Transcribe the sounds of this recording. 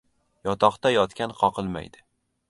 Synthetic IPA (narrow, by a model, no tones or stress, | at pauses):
jɒt̪ʰɒqt̪ajɒt̪kʲanqʰɒqʰɨlˠma̰jd̪ɪ